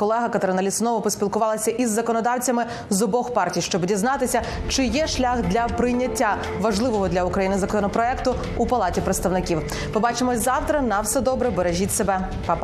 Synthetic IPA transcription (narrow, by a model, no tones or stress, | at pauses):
kɔlˠɛɦɐkɐt̪ɾɪnɐlʲisnɔʋɔpɔsʲpʲilˠkʊʋɑlˠɐsʲɐʔizːɐkɔnɔd̪ɑwt͡sʲɐmɪ | zɔbɔxpɑrtʲijʃt͡ʃɔbdʲiznɑt̪ɪsʲɐ | t͡ʃɪjɛʃlʲaxd̪lʲɐpɾɪjnʲːɐtʲːa | ʋɐʒlˠɪʋɔɦɔd̪lʲɐukɾɐjinɪzɐkɔɔnɔpɾɔɛkt̪ʊ | upɐlˠɑtʲipɾet̪st̪ɐwnɪkʲiw | mɨbɑt͡ʃemɔzɑwt̪ɾɐnɐwsɛd̪ɔbɾɛbeɾeʒʲitʲsebɛ | pɑ